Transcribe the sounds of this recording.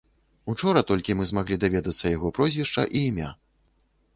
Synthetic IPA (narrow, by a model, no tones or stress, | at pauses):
ut͡ʂɔɾɐt̪ɔlʲkʲimɨzmaɣlʲid̪avʲɛd̪ɐt̪sːɐjaɣɔpɾɔzʲvʲiʂt͡ʂɐ̰ʔiːmʲa̰